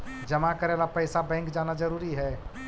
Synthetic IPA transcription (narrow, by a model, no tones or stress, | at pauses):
d͡ʒəmakəɾelapəjsabɛ̃ŋkd͡ʒaːnad͡ʒəɾuːɾiɦɛ